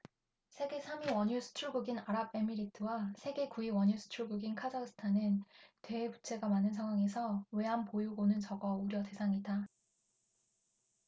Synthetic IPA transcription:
sʰe̞ɡe̞sʰamiwʌɲusʰɯ̥t͡ɕʰuɭɡuɡinaɾab̚e̞miɾitʰɯwasʰe̞ɡe̞kuiwʌɲusʰɯ̥t͡ɕʰuɭɡuɡinkʰad͡ʑaks͈ʰɯ̥tʰanɯntwe̞ːput͡ɕʰe̞ɡamanɯnsʰaŋwaŋe̞sʰʌwe̞ɦampojuɡonɯnt͡ɕʌɡʌuɾjʌte̞sʰaŋida

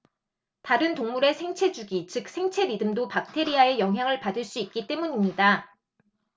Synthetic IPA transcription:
taɾɯntoŋmuɾe̞sʰe̞ŋt͡ɕʰe̞d͡ʑuɡit͡ɕɯk̚sʰe̞ŋt͡ɕʰe̞midɯmdopak̚tʰe̞ɾiae̞jʌŋɦjaŋɯɭpadɯɭs͈uik̚k͈it͈e̞muɲimɲida

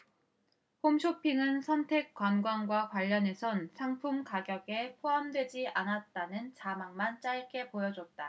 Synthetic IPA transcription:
homɕʰopʰiŋɯnsʰʌntʰe̞k̚k͈wanɡwanɡwakwaʎːʌne̞sʰʌnsʰaŋpʰumkaɡjʌɡe̞pʰoɦamdwe̞d͡ʑiʔanat̚t͈anɯnt͡ɕamaŋmant͡ɕ͈aɭk͈e̞pojʌd͡ʑʌt̚t͈a

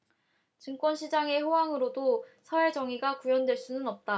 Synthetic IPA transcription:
t͡ɕɯŋk͈wʌnɕʰid͡ʑaŋe̞ɸowaŋɯɾodosʰʌeɭd͡ʑʌŋiɡakujʌndwe̞ɭs͈unɯnʌp̚t͈a

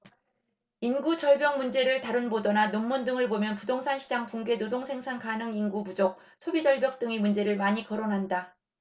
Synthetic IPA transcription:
inɡut͡ɕʌɭbjʌŋmund͡ʑe̞ɾɯɭtaɾɯnbodʌnanomːundɯŋɯɭbomjʌnpudoŋsʰanɕʰi̥d͡ʑaŋpuŋɡe̞nodoŋsʰe̞ŋsʰankanɯŋinɡubud͡ʑok̚ | sʰobid͡ʑʌɭbjʌk̚t͈ɯŋimund͡ʑe̞ɾɯɭmaɲikʌɾonɦanda

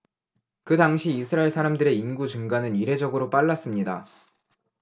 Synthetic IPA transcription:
kɯdaŋɕʰiːsʰɯɾaiɭsʰaɾamdɯɾe̞inɡut͡ɕuŋɡanɯniɾe̞d͡ʑʌɡɯɾop͈aɭːas͈ɯmɲida̰

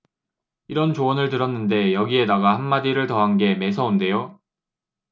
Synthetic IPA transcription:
iɾʌnt͡ɕoʌnɯɭtɯɾʌnːɯnde̞jʌɡie̞daɡahanːadiɾɯɭtʌɦanɡe̞me̞s̬ʰʌunde̞jo

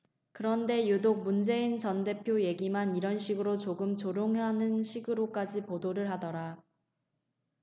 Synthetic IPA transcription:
kɯɾʌnde̞judok̚mund͡ʑe̞int͡ɕʌnde̞pʰjoje̞ɡimaniɾʌnɕʰiɡɯɾot͡ɕoɡɯmt͡ɕoɾjoŋɦanɯnɕʰiɡɯɾok͈ad͡ʑipodoɾɯɭɦadʌɾa

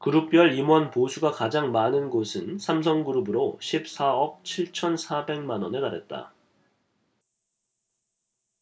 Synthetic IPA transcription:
kɯɾup̚p͈jʌɭimwʌnposʰuɡakad͡ʑaŋmanɯnɡosʰɯnsʰams̬ʰʌŋɡuɾubɯɾoɕʰip̚s͈ʰaʌk̚t͡ɕʰiɭt͡ɕʰʌnsʰabe̞ŋmanʌne̞taɾe̞t̚t͈a̰

